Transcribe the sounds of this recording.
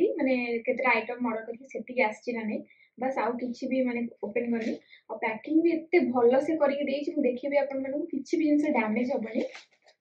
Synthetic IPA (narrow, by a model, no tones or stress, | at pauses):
imanekʰet̪ɾeajʈɔmːɔɽɔkɔɾit͡ʃʰiseʈiɡast͡ʃʰiɾane | bɐsawkit͡ʃʰibimaneopenkɔɾniɔpɾɛkiŋbiet̪ːebʱɔlːɔsekɔɾiked̪eːt͡ʃʰimd̪ekʰiibajapnmanukukit͡ʃʰibiinseɖamned͡ʒɔbɔni